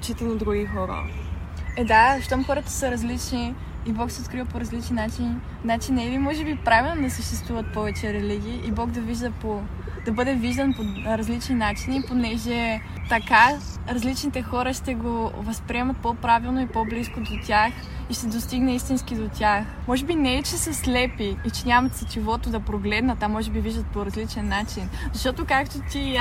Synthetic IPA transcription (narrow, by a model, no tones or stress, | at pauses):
t͡ʃit̪ɛnid̪ɾuɡixɔɾə̰ | ɛd̪aʃt̪ɔmxɔɾət̪ə̥səɾɐzlit͡ʃniː | bɔksɛot̪kɾivəpoɾɐzlit͡ʃninat͡ʃin | nat͡ʃinɛlimɔʒɛbipɾavilˠnod̪ɐsəʃt̪ɛst̪vuvət̪̚pɔvɛt͡ʃɛɾɛliɡ̟ʲiːʔibɔɡd̪ɐviʒd̪əpo | d̪ɐbɤd̪ɛviʒd̪ɐnpoɾɐzlit͡ʃninat͡ʃiniːponɛʒɛ | t̪ɐkaɾɐzlit͡ʃnit̪ɛxɔɾɐʃt̪ɛɡovɐspɾiɛmɐt̪̚popɾavilˠnoipobliskod̪ot̪ʲax | iʃt̪ɛd̪ost̪iɡnɛist̪inskid̪ot̪ʲaxmɔʒɛbinɛɛt͡ʃɛsəslɛpiːt͡ʃɛnʲamɐt̪sɐt͡ʃɛvɔt̪od̪ɐpɾoɡlɛd̪nɐt̪amɔʒɛbiviʒd̪ət̪poɾɐzlit͡ʃɛnːat͡ʃinzɐʃt̪ɔt̪okakt̪ot̪ʲi